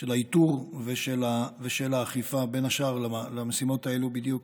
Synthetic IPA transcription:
ʃelaituʁveʃelaveʃelaːχifabe̞naʃaʁlalamesimo̞tae̞lubid̪juk

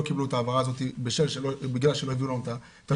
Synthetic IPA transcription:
okibluet̪aːvaʁaːzo̞t̪ibeʃelʃelobiɡlalʃelo̞javiulanot̪a | t̪a

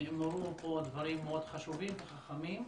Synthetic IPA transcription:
moʁupod̪vaʁimːeod̪̥χaʃuvimbeχaχamim

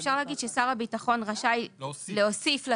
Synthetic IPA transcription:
fʃaʁlaːɡid̪ʃesaʁabitaχo̞nʁaʃajleo̞sifla

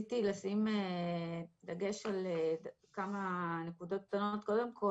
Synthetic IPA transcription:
t̪ilasime | d̪ɐɡe̞ʃaled | kamane̞kud̪o̞t̪̚k̚t̪anot̪ko̞d̪e̞mkʰo

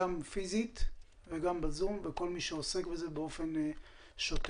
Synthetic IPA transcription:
amfizit̪ | veɡambazumveko̞lmiʃeosekbezebeo̞fen | ʃot

